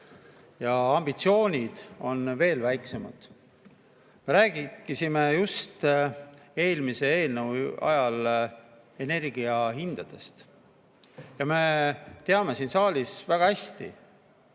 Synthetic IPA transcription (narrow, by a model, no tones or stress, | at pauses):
jɑɑmb̥it̪sio̞ːnʲid̪̥o̞nve̞ːlvæjkse̞mɑ̰d̪̥ | me̞ɾæːɡ̥ikːisime̞just̪ | e̞ːlmise̞e̞ːlnəwɑ̰jɑl | e̞ne̞rɡiɑɦind̪̥ɑd̪̥e̞st̪ | jɑme̞t̪e̞ɑme̞siːnsɑːlisvæɡ̥ɑhæsʲt̪ḭ